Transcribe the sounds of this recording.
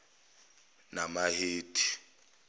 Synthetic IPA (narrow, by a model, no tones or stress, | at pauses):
namaheːtʰʼi̥